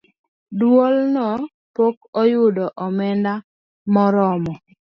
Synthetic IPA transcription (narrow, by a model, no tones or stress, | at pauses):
dwolnɔ | pokojʊdɔʔɔmɛnda | mɔɾɔmɔ